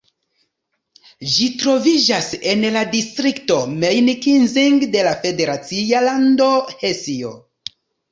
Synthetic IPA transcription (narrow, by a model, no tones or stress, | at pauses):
ʒitɾo̞vid͡ʒasenladistɾikto̞mejnikinziŋɡde̞lafe̞de̞ɾat͡sialando̞hesio̰